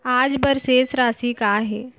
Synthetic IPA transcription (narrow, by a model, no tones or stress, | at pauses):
aːd͡zbəɾsesɾasiːkaːɦe